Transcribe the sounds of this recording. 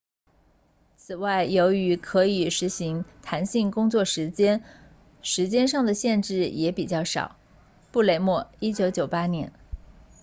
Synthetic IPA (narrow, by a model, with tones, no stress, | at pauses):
t͡sʰɹ̩˨˩wa˥˩ɪjo˧˥ʊy˧˥kʰɤ˧˥i˨˩ʂɻ̩˧˥ɕi˧˥ŋt̪ʰa˧˥nɕi˥˩ŋkʊ˥ŋt͡swɔ˥˩ʂɻ̩˧˥t͡ɕjɛ˥n | ʂɻ̩˧˥t͡ɕjɛ˥nʂɑ˥˩ŋd̪ə˩ɕjɛ˥˧nʈ͡ʂɻ̩˥˩jɛ˧˥pi˨˩t͡ɕjɑ˥˩ʊʂɑ̰˨˩˦ʊ | pu˥˩le˧˥ɪmwɔ˥˩i˥t͡ɕjo˧˥ʊt͡ɕjo˨˩ʊpa˥njɛ˧˥n